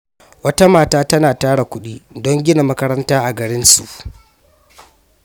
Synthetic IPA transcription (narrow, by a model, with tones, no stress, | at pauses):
wɐ˦ta˦maː˨taː˦tɐ˦naː˨taː˦ɽa˨kʷʊ˦ɗiː˦dɔ˦ŋɡʲɪ˦na˨mɐ˦kɐ˦ɾɐ˦ntaː˦ʔa˨ɡɐ˨ɽɪ˦nsṵ˨ʔ